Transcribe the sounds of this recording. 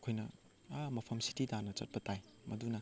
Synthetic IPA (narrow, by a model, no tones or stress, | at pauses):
kʰojnɐ | amɐpʰɐmsi̥tidanɐt͡ʃɐ̰t̚pɐtajmɐdunɐ